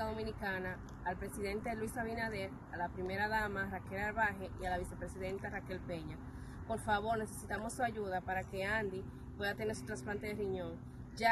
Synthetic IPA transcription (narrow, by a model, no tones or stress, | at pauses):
aðo̞mĩnikanaː | lpɾe̞siðe̞nt̪elwisaβinaðe̞ɾ | alapɾime̞ɾaðamarake̞lalβaɦe̞ʔialaβise̞pɾe̞siðe̞nt̪arake̞lpe̞ɲa | po̞ɾfaβo̞ɾne̞se̞sit̪amo̞sːuaʝuðapaɾake̞and̪i | pwe̞ðat̪e̞neɾsu̥t̪ɾãsplant̪eðeriɲõ̞ŋ | d͡ʒa